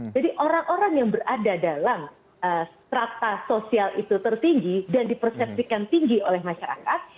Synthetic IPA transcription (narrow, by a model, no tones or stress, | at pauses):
d͡ʒadiʔoɾaŋʔoɾaŋjaŋbəradadalam | əst̪ɾat̪asosialḭt̪ut̪ərt̪iŋɡidandipərsɛp̚sikant̪iŋɡiolɛhmaʃaɾa̰kat̪̚